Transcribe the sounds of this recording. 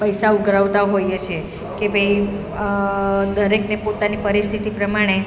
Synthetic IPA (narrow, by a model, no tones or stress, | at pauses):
pəjsauɡʱɾəʋt̪aɦojet͡ʃʰe | kebʱəj | d̪əɾeknepot̪anipəɾist̪ʰit̪ipɾəmaɽ̃e